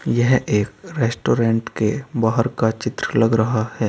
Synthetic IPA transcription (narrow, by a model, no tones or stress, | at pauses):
jɛɦeːkɾeːsʈoːɾẽːɳʈkebaːɦəɾkat͡ʃɪt̪ɾəlɐɡɾɐɦahɛː